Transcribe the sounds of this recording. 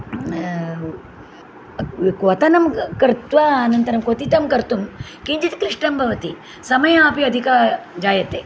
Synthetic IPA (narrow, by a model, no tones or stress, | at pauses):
ʋkʋɐt̪ɐnɐmkɐɾt̪ʋaːnɐnt̪ɐɾɐmkʋɐt̪it̪ɐmkɐɾt̪um | kiɲt͡ʃit̪kɾiʂʈɐmbʱɐʋɐt̪i | sɐmɐjɐaːpiɐd̪ʱikad͡ʒaːjɐt̪eː